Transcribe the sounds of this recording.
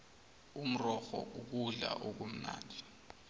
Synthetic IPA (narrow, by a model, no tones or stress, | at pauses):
um̩rɔxɔ̰ʔuk̬uɮa̰ʔok̬om̩na̰ːndʱi